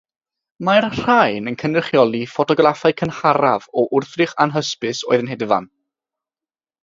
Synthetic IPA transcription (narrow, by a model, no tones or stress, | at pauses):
marr̥ajnənkʰənrɪχjɔlˠifɔtʰɔɡrafaɨkʰənhaɾavɔʔʊrθrɪχanɦəspɨsoːɨðənɦedəva̰n